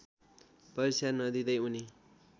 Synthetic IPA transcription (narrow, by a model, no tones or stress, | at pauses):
pʌɾisanʌd̪id̪ʌjuni